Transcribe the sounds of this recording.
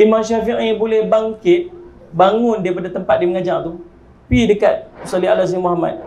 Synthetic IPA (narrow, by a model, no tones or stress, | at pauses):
imaŋʃafiʔibolɛhbaŋkɪt̪̚ | baŋʊndaipadat̪əmpat̪̚diməŋad͡ʒaŋt̪u | pidəkat̪̚salialas̬imuɦama̰t̪̚